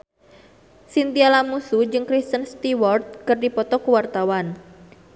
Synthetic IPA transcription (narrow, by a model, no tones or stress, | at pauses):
sint̪ialamusud͡ʒɨŋkɾist̪ənst̪iwɔrt̪̚kɨrdipɔt̪ɔkəwart̪awan